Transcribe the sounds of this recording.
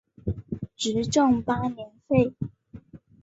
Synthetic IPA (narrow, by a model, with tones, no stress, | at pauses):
ʈ͡ʂɻ̩˧˥ʈ͡ʂʊ˥˩ŋpa˥njɛ˧˥nfe˥˩ɪ